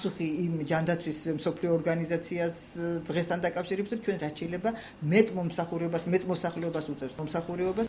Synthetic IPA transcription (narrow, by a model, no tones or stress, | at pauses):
suχiːmd͡ʒand̪at̪sʰwismsɔpʰliɔːɾɡanizat̪sʰiasd̪ʁɛst̪ʰand̪akʼafʃiɾɛbit̪ʰɾɔt͡ʃʰwɛnɾat̪ʃʰɛilɛba | mɛt̪ʼmɔmsaχuɾɛɔbasmɛt̪ʼmɔsaχlɛɔbasut̪sʼɛfsɔmsaχuɾɛɔbas